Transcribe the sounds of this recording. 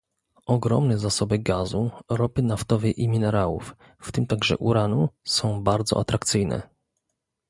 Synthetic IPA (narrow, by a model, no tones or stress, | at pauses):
ɔɡɾɔmnɛzasɔbɘɡazuɾɔpɘnaft̪ɔvɛjʔimʲinɛɾawṵfː | t̪ɘmt̪aɡʐɛ̰ʔuɾanusɔ̃w̃baɾd̪zɔ̰ʔa̰t̪ɾakt̪sɘjnɛ̰